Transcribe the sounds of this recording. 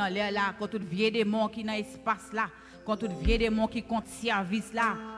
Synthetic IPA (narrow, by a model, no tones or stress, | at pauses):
lɛlakɔ̃t̪ut̪vjedemɔ̃kinɐ̃espasla | kɔ̃t̪ut̪vjedemɔ̃kikɔ̃t̪sɛʁvisla